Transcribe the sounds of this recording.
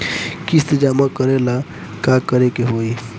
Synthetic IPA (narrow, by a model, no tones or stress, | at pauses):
kist̪d͡ʒamakəɾela | kakəɾekeɦoi